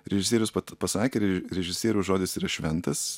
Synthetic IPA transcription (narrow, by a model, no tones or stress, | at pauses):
ɾʲɛʒʲɪsʲiɛɾʲjʊspɐtpɐsɑːkʲeːɾʲɛɾʲɛʒʲɪsʲiɛɾʲuʊʒoːd̪ʲɪsiːɾɐʃʲʋʲɛnt̪ɐs